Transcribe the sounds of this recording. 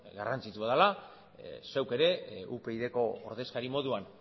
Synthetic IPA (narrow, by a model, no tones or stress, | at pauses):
ɡarant͡sit̪uaðala | sewke̞ɾe̞upe̞iðe̞ko̞̰ːɾðe̞skaɾimo̞ðuan